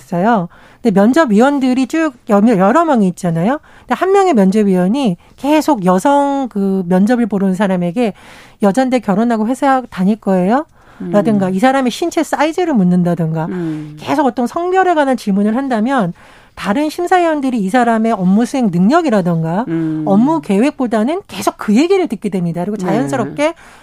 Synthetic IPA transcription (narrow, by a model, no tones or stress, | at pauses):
s͈ʌjo | nde̞mjʌnd͡ʑʌbɥiwʌndɯɾit͡ɕ͈ukjʌmʌjʌɾʌmjʌŋiːt̚t͡ɕ͈anajo | nde̞hanmjʌŋe̞mjʌnd͡ʑʌbɥiwʌɲi | ke̞sʰoɡjʌsʰʌŋkɯmjʌnd͡ʑʌbɯɭpoɾɯnnsʰaɾame̞ɡe̞jʌd͡ʑandekjʌɾonɦaɡoɸwe̞sʰataɲiɭk͈ʌe̞jo | ɾadɯŋɡaisʰaɾame̞ɕʰint͡ɕʰes͈aid͡ʑɯɾɯɭmunːɯndadɯŋɡake̞̰sʰoɡʌt͈ʌnsʰʌŋbjʌɾe̞ɡanant͡ɕiɭmunɯɭhandamjʌn | taɾɯnɕʰimsʰaiʌndɯɾiːsʰaɾame̞ʌmːusʰue̞ŋnɯŋɲʌɡiɾadɯŋɡaʌmːuke̞we̞k̚p͈odanɯnke̞sʰok̚kɯje̞ɡiɾɯɭtɯk̚k͈e̞dwemɲidakɯɾiɡot͡ɕaajʌns͈ɯɾʌp̚k͈e̞